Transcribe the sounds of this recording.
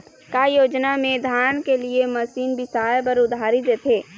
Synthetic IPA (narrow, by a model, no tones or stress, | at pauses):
kajoːd͡ʒnamẽd̪ʱaːnkeliemɐsiːnbʱɪsaːjbəɾʊd̪ʱaːɾid̪et̪ʰeː